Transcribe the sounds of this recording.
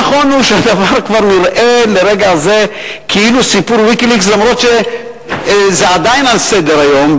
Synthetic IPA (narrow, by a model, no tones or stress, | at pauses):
χo̞nuʃead̪avaʁkvaʁniʁʔe̞leʁeɡaze̞ | kʰiilusipuɾwikilikslamʁo̞tʃe | zead̪ajinalsed̪eɾajo̞m